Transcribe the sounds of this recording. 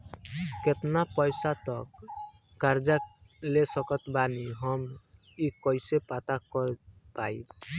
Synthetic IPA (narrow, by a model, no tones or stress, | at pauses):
ket̪napɔjsat̪ɔkː | aɾd͡ʒalesʌkɔt̪baniɦʌm | ikɔjsepat̪akɔɾpai